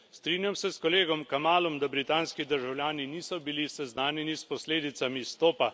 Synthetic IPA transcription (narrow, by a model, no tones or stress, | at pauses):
st̪ɾiːnjamsɛskɔleːɡɔmkamaːlɔmd̪abɾit̪aːnskid̪əɾʒawljaːniniːsɔbilisɛznaːnjɛnispɔsleːd̪it̪samist̪oːpa